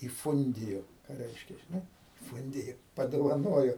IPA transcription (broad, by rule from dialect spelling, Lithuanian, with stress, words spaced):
iːˈfʊnʲdʲɪjoː ˈkɑː ˈrʲɛɪʃʲkʲɛ ʒʲɪˈnɐɪ ˈfʊnʲdʲɪjoː pɐdoːʋɐˈnoːjoː